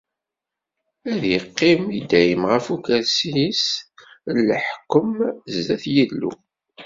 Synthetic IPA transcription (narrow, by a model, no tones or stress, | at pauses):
æðjəqːɪmid̪æjəmʁəfukæɾsis | lːəħkːəmzːæθjilːṵ